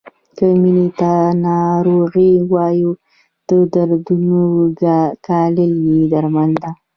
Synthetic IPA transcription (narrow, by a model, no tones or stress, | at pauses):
kəminit̪anɑɾoɣiwɑju | d̪̥əd̪aɾd̪unoɡkɑləljid̪aɾmand̪a